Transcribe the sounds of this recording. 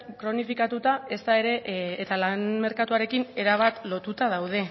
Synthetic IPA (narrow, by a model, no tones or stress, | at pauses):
kɾo̞nifikat̪ut̪ae̞st̪ae̞ɾe̞ːt̪alanme̞ɾkat̪uaɾe̞kine̞ɾaβ̞at̪lo̞t̪ut̪að̞awð̞e̞